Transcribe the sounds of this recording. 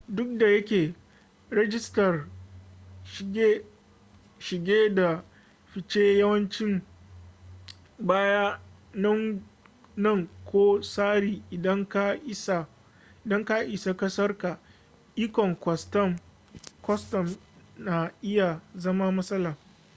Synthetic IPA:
dʊ˦k̚da˨jɐ˦kʲeː˨ | ɾɛ˦d͡ʒɪ˦stɐ˨r | ʃɡe˦ | ʃɪ˨ɡʲeː˦da˨ | ɸɪ˨t͡ʃe˦jɐ˦wɐ˦nt͡ʃɪ˦m | baː˦ja˦ | nɐ˦ŋ | nɐ˦˨ŋkʷʰoː˦saː˦ɽiː˨ʔɪ˨dɐ˦ŋka˦ʔɪ˦sa˨ | ɪ˨dɐ˦ŋka˦ʔɪ˨sa˨kɐ˦sɐ˦rka˨ | ʔi˦kɔ˨ŋkʷɔ˨stɐ˦m | kɔ˦stɔ˨mna˨ʔɪ˦ja˨zɐ˦ma˦mɐ˦sʼɐ˦laː˨

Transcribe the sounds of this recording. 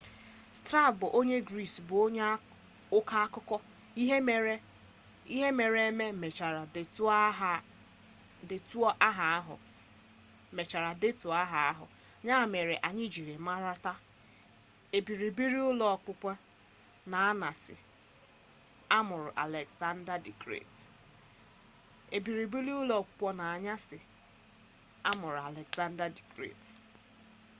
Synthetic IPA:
stɾa˦˨bʊ˨ʔo˦ɲe˦ɡɾi˦˨sbʊ˨o˦ɲ˦ | ʊ˦ka˦a˦kʊ˦kɔ˦ | i˦ɦe˨˦ | i˦ɦe˦me˨ɾe˦me˦me˨t͡ʃa˨ɾa˨tɦ | dɪ˨tu˦ɔ˦ʔa˦ɦa˨˦ɦʊ̰˨ | me˨t͡ʃa˨ɾa˨dɪ˦tʊ˨a˦ɦa˨˦a˦ɦʊ̰˨ | ɲa˦˨me˨ɾe˨ʔa˨ɲɪ˦d͡ʒi˨ɾe˨ma˦ɾa˦ta˦ | e˨bi˨ɾi˨bi˦ɾi˦ʊ˦lɔ˦ɔ˨k͡pʊ˦kʷɔ˦ | na˨a˦na˨sɪ̰˨ | a˦mʊ˨ɾʊ˨ʔa̰˨le˨ɡsa˦n̩˦da˦di˨kɾḛ˦˨t | e˨bi˨ɾi˨bi˦ɾi˦ʊ˦lɔ˦˨kʷʊ̥˦k͡pʷɔ˦na˨a˨ɲa˦sɪ˨ | a˦mʊ˨ɾʊ˨a˨le˨ɡsa˦n̩˦da˦di˨kɾḛ˦˨t

